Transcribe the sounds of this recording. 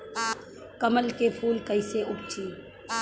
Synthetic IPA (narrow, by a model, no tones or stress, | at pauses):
kəməlkepʰuːlkəɪseʔʊbt͡ʃiː